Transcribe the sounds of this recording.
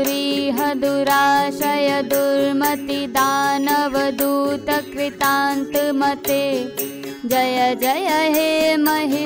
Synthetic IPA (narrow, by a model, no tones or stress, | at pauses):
ɾiːɦɐd̪uɾaːʃɐjɐd̪uɾmɐt̪id̪aːnɐʋɐd̪uːt̪ɐkɾit̪aːnt̪mɐt̪e | d͡ʒɐjɐd͡ʒɐjɐɦemɐɦi